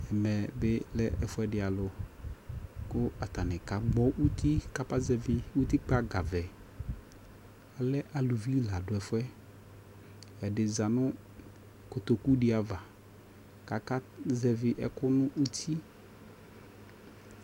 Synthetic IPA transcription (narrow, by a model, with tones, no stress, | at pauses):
ɛ˨mɛ˨bɪ˦lɛ˦ʔɛ˨fʊ˦ɛ˦dɪ˨a˨lʊ˨ | kʊ˦a˨t̪a˨nɪ̃˨ka˨ɡ͡bɔ˦ʔu˦t̪i˦ka˦pa˦zɛ˨vɪ˦u˦t̪i˦k͡pa˦ɡa˨vɛ˨ | a˨lɛ˦ʔa˨lu˨vi˦la˨dʊ˨ɛ˨fʊ˦ɛ˦ | ja˨dɪ˨za˨nʊ̃˦ | ko˨t̪o˨ku˦ɖɪ˦a˨va˨ | ka˨ka˦zɛ˨vɪ˨ʔɛ˨kʊ˦nʊ̃˦ʔu˦t̪ʰi˦